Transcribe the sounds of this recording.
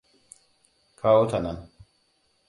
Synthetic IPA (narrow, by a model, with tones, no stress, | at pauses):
kʰa˦o˦t̪ʰa˨na˨n